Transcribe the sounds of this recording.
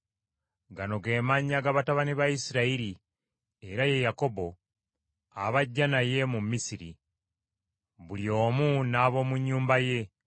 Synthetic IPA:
ɡano̞ɡe̞ːmaɲaɡaβataβaniβaisiɾaiɾi | e̞ɾaje̞jako̞bo̞ | aβaɟːanaje̞mumːisiɾḭ | βuljo̞ːmunaːβo̞ːmuɲːuːmbaje̞

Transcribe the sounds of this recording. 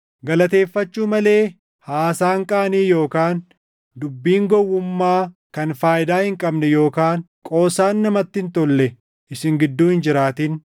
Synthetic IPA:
ɡɐlɐt̪e̞ːfːɐt͡ʃːuːmɐle̞ː | haːsaːŋkʼaːniːjo̞ːkaːn | d̪ʊbːiːŋɡɔwːʊmːaː | kɐnfaːjɪd̪aːhɪŋkʼɐbnɛjo̞ːkaːn | kʼo̞ːsaːnːɐmɐt̪ːɪnt̪ɔlːɛ | ʔɪsɪŋɡɪd̪ːuːhɪnd͡ʒɪɾaːt̪iːn

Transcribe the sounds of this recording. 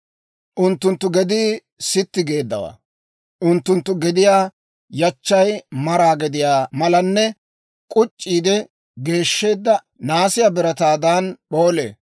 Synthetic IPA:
ʔʊnt̪ːʊnt̪ːʊɡɛd̪ɪ | sɪt̪ːɪɡe̞ːd̪ːɐwa̰ː | ʔʊnt̪ːʊnt̪ːʊɡɛd̪ɪjaː | jɐt͡ʃːɐjmɐɾaːɡɛd̪ɪjaːmɐlɐnːɛ | kʼʊt͡ʃʼːiːd̪ɛ | ɡe̞ːʃːe̞ːd̪ːɐ | naːsɪjabɪɾɐt̪aːd̪aːnɓo̞ːlḛː

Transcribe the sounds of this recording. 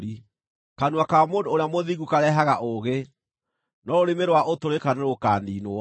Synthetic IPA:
ɾi | kanwakamondooɾamoðiɣukaɾɛɦaɣaʔoɣe | nɔɾoɾemeɾwaʔotoɾekaneɾokaːninoɔ

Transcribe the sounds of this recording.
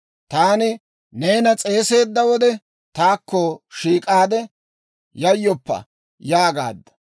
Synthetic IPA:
t̪aːnɪ | ne̞ːnɐt͡sʼe̞ːse̞ːd̪ːɐwɔd̪ɛ | t̪aːkːɔʃiːkʼaːd̪ɛ | jɐjːɔpːɐ̰ | jaːɡa̰ːd̪ːɐ̥

